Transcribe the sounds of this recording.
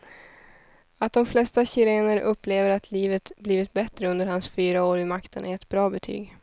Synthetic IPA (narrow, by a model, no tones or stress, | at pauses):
at̪̚d̪ɔmflɛst̪aɕɪɾeːnəɾʔɵpːleːvəɾat̪ʰliːvət̪bliːvɪt̪̚bɛt̪ɾəɵnd̪əɾhansfyːɾaoːɾɪmakt̪ʰənʔæɛt̪bɾɑːbɛt̪ʰy̰ːɡ